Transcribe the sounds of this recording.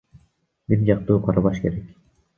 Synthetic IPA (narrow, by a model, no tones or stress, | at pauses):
biɾd͡ʒɑq̚t̪uːqʰɑɾɑbɑʃkeɾek